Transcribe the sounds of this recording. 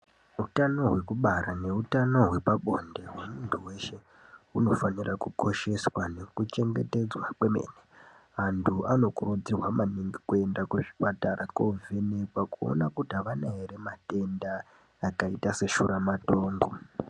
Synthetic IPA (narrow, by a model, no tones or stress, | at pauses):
utano̞ɦwe̞kuɓaɾane̞utano̞ɦwe̞paɓo̞nde̞ɦwe̞muntʰuwe̞ʃe̞ | uno̞fanirakuko̞ʃe̞swane̞kut͡ʃe̞ŋɡe̞te̞d͡zwakwemḛne | antʰuano̞kurud͡zirwamaniŋɡikue̞ndakweʐi̥pataɾʔakovenekwakuo̰nakutaʋanaeɾemate̞ndaː | kaitase̞ʃuɾamato̞ːŋɡo̞